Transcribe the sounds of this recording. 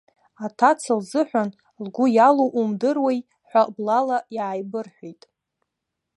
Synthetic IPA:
atʰat͡sʰɨlzɨħʷᶣan | lɡʷʊjaloʔumdɨrwej | ħʷablalajʕajbɨrħʷijtʼ

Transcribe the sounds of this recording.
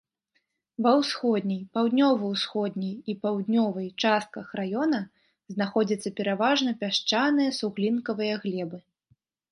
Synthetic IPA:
vɐwsxɔd̪ʲnʲɐjpawd̪ʲnʲɔvɐwsxɔd̪ʲnʲɐjipawd̪ʲnʲɔvɐjt͡ʂast̪̚kɐxrajɔnɐ | znaxɔd͡zʲɐt̪sːɐpʲɛɾavaʐnɐpʲaʂt͡ʂanɨjɐsuɣlʲinkɐvɨjɐɣlʲɛbɨ

